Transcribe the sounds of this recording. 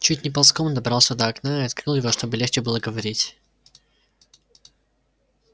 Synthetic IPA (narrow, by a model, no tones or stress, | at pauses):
t͡ʃutʲnʲɪpɐlˠskɔmd̪ɐbɾalˠsʲɐd̪ɐɐknaiɐt̪kɾɨlˠjɪvɔʃt̪ɔbɨlʲɛxt͡ʃɛbɨlˠəɡəvɐɾʲitʲ